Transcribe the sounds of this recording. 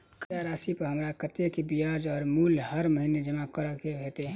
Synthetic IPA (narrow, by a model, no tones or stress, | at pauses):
kaɾaːsipəɦəmɾakət̪ekebijad͡ʒɔːɾmuːlhəɾməɦined͡ʒəmakəɾəkebʱeːt̪e